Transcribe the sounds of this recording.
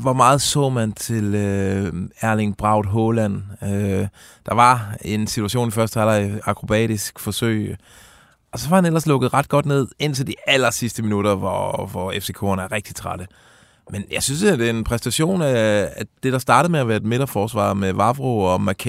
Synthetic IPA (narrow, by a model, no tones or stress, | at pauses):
ʋɒmɑ̈ːð̞̩ˠsɔ̰̽ːmænt͡sʰe̝lø | æɐleŋb̥ʁɑ̈ʊ̰d̥ɦɔlæn̰ød̥ɑ̈ʋɑ̈e̝nsit͡sʰuæɕo̝̰ːnifɶɐsd̥əælɐɑ̈kʰʁo̝b̥ɛ̰ːd̥isɡ̥fɒ̽sø̰ɪ̰ | ɒ̽sɒ̽ɦɑ̈hænel̰ɐslɔ̽ɡ̥ð̩ˠʁɑ̈d̥̚ɡ̥ɒ̽d̥ne̝ð̞̰ˠe̝n̰t͡sʰeld̥iæl̰ɐsisd̥əminuɾ̥ɐʋɒʋɒefse̝kʰo̰ɐnæɐʁeɡ̥̚d̥it͡sʰʁɑɾ̥ə | menjɑ̈ɪsynsd̥eɐe̝npʰʁɛsn̩d̥æɕo̝̰ːnææd̥e̝d̥ɑ̈sd̥ɑ̈ːɾ̥ð̩ˠmeæʋæːɐed̥me̝ɾ̥ɐfɒːsʋɑ̰̈meʋɑ̈ʋʁoɒ̽mækʰ